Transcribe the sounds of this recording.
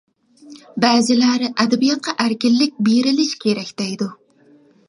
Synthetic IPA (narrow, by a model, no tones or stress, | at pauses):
bæːzɪlæɾɪʔæd̪æbijɑt̪̚qʰɑʔæɾkʲɪlːɪk̚ʲbeɾɪlɪʃkʲʰeɾɛkʲd̪̥ɛjd̪ʊ